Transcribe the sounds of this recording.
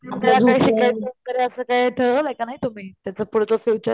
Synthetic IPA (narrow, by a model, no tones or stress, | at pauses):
at̪alakaɦiɕikajt̪̚ponkəɾeəsəkajʈʰəlakanaɦit̪um̤iːt̪jat͡səpuɽt͡sofiʋt͡ɕə